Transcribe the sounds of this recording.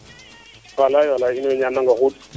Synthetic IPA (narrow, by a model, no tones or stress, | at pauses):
alajalainɔɛɲanaŋɡaɣut